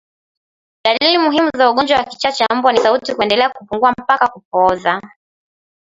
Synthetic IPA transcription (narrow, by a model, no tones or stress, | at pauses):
ɗalilimuɦimuzauɠɔnd͡ʒwawaki̥t͡ʃat͡ʃam̩bwanisautikuɛndɛlɛakupuŋɡuam̩pakakupɔza